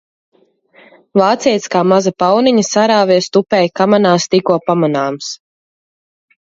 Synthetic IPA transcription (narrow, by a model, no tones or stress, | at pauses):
vaːt̪siɛt̪skaːmazapawniɲɐsaɾaːviɛst̪upɛjkamanaːst̪ikuɔpamanaːms